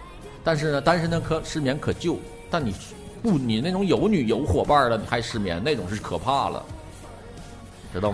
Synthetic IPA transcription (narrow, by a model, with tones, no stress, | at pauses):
t̪a˥˧nʂɻ̩˥˩nə˩t̪a˥nʂə˥nd̪ə˧kʰɤ˧˥ʂɻ̩˥˩mjɛ˧˥nkʰɤ˨˩t͡ɕjo˥˩ʊ | t̪a˥˩nni˨˩ | pu˥˩ni˨˩ne˥˩ʈ͡ʂʊ˧˥ŋjo˧˥ʊny˨˩jo˧˥ʊxwɔ˨˩pa˥˩lə˩n˨˩xa˧˥ɪʂɻ̩˥˩mjɛ̰˧˥nne˥˩ɪʈ͡ʂʊ˨˩ŋʂɻ̩˥˩kʰɤ˨˩pʰa˥˩lə̰˩ | ʈ͡ʂɻ̩˧˥t̪ɑ˥˩